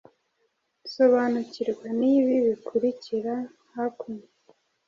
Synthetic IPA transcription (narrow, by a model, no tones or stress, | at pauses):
so̞βanuciɾɡwaniβiβikʰuɾiciɾa | hakuɲe